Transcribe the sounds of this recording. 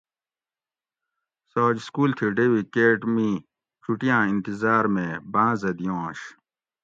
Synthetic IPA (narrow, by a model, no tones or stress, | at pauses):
saːd͡ʑskuːlt̪ʰiɖewikeːʈmi | t͡ɕʰuʈijãːĩnt̪izaːɾmẽbãːzɐd̪ijõːɕ